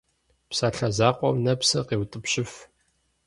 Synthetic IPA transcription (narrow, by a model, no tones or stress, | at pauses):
psaːɬɐzaːqʷʼɔmnɐpsɐqeːwtʼɨpɕɪf